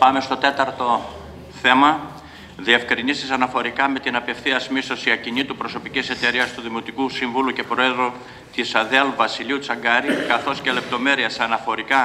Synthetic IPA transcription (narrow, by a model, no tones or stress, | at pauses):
pɐme̞st̪o̞t̪e̞t̪ɐɾt̪o̞ | θe̞mɐ | ðiefkɾinisisɐnɐfo̞ɾikɐme̞t̪inɐpe̞fθiɐsmist̪o̞siɐcinit̪upɾo̞so̞picise̞t̪e̞ɾiɐst̪uðimot̪ikusiɱvuluce̞pɾo̞e̞ðɾu | t̪isɐðeɐlvɐsiliut͡sɐŋɡɐɾikɐθo̞scele̞p̚t̪o̞me̞ɾiɐsɐnɐfo̞ɾikɐ